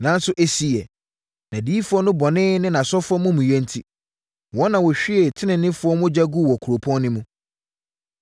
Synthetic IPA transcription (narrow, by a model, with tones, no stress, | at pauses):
nã˦n˦sʊ˦ʔe˦si˦˨ɛ˨ | nã˨di˦i˦fʊ˦ɔ˦nʊ̃˦bɔ˨nɪ̃ː˦nɪ̃˦nã˨sɔ˦fʊ˦ɔ˦mʊ̃˦mũ˨jɛ̃˦n˦tʰi˦ | wɔ̃˦nã˨wɔ˨ɕᶣɪ˦e˨tʰɪ˦nɪ̃˨nɪ̃˦fʊ˦ɔ˦mʊ̃˦d͡ʑa˦ɡu˦˨wɔ˨kʰu˨ɾo˨pʰɔ̃˦nnɪ̃˦mũ˦